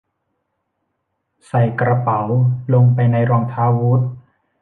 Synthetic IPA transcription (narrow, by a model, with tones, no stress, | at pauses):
sa˨˩jkɾa˧pa˩˦wlo˧ŋpa˧jna˧jɾɔː˧ŋt̪ʰaː˧˥wu˦˥t̪̚